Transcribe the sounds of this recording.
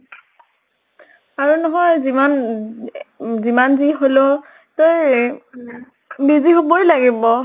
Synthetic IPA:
aɹunɔɦɔjziman | zimanziɦolo | toj | biziɦobojlaɡibɔ

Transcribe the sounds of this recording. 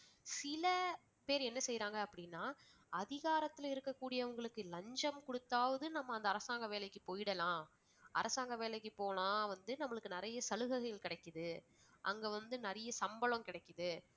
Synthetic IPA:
sɪlɐ | peːɾɛnːɐsɛjːɾaːŋɡɐɐpːɐɽɪnːaː | ɐðɪɣaːɾɐt̪ːɪlɪɾɯkːɐkːuːɽɪjɐʋɐŋɡɐɭɯkːɯlɐɲd͡ʒɐmkɔɽɯt̪ːaːʋɐðɯnɐmːɐːnd̪ɐːɾɐsaːŋɡɐʋeːlɐɪkːɯpoːjɪɽɐlãː | ʔɐ̰ɾɐsaːŋɡɐʋeːlɐɪkːɯpoːlãːʋɐnd̪ɯnɐmːɐɭɯkːɯnɪɾɐjɐsɐlɯɣɐɣɐjɪlkɪɽɐkːɯðɯ | ʔɐ̰ŋɡeːʋɐnd̪ɯnɐɾɐjɐsɐmbɐɭɐ̃mkɪɽɐɪkːɯðɯ

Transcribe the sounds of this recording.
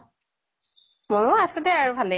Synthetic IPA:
mɔnʊasʊtɛaɹubʱalɛ

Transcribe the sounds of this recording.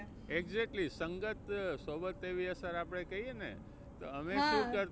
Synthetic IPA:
eɡzek̚ʈlisəŋɡət̪sobət̪ːeʋiəsəɾapɽ̃ekəɦienḛ | t̪oəmeʃũkəɾ

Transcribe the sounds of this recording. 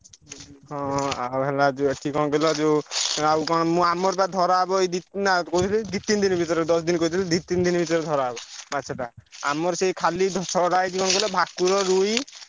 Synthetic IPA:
hɔ̃awɦɛlad͡ʒeeʈʰikɔnkelɔd͡ʒewawkɔ̃mũamɔɾbad̪ʱɔɾabɔed̪inakowt̪ʰilid̪it̪ːind̪inbʱit̪ɔɾed̪ɔs̬d̪inkoit̪ʰilid̪it̪ind̪inbʱit̪ɔɾed̪ʱɔɾabɔmatːsʰɔʈaa̰mɔɾsekʰalid̪ʱsɔɽajʈʰikɔnkelɔbʱakːuɾɔɾuj

